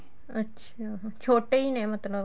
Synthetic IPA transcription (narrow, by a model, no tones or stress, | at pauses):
ətːʃʰa | t͡ʃʰoːʈeiːnɛ̃ːmət̪lə